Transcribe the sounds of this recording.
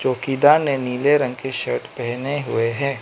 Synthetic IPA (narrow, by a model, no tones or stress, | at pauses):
t͡ʃoːkid̪aːɾneniːleɾɐ̃ŋɡkeʃɐɾʈʰpɛɦneɦʊeɦɛː